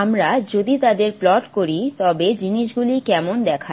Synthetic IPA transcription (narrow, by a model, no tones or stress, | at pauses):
amɾad͡ʑod̪it̪ad̪eɾplɔʈkoɾit̪ɔbed͡ʑiniʃɡulikɛmond̪ɛkʰa